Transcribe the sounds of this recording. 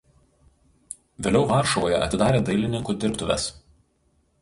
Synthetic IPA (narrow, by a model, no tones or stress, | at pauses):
ʋʲeːlʲɛʊʋɑˑɾʃɔʋoːjɛʔɐ̰t̪ʲɪd̪ɑːɾʲeːd̪ɐɪlʲɪnʲɪŋkuːd̪ʲɪɾpt̪ʊʋʲɛ̰s